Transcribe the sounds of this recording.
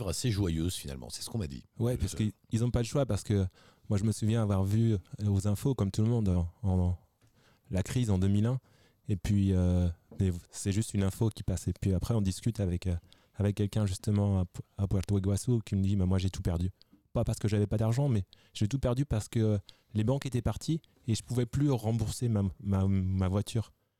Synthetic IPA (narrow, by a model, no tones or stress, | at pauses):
vʁaseʒwajøzfina̰lmɑ̰̃sɛ̥sə̥kɔ̃ma̰d̪ḭwɛpaʁsəkəi | ilzɔ̃paləʃwapaʁsə̥kə | mwaʒəməsuvjɛ̃avwaʁvyozɛ̃fokɔmt̪ulmɔ̃d̪ɑ̃ | lakχizɑ̃d̪əmilɛ̃ | epɥiømɛvsɛʒyst̪ynɛ̃fokʲi̥pasɛpɥiapχɛɔ̃d̪iskʲyt̪avɛkø | avɛkːɛlkʲɛ̃ʒyst̪əmɑ̃aabwɛʁt̪weɡwasokʲiməd̪imɛ̃mwaʒet̪upɛʁd̪y | papaʁsə̥kəʒavɛpad̪aʁʒɑ̃mɛ | ʒ̥et̪upɛʁd̪ypaʁsə̥kə | lebɑ̃ket̪ɛpaʁt̪ʰi | eʒəpuvɛplyʁɑ̃buʁsemamamavwat̪ʰyːʁ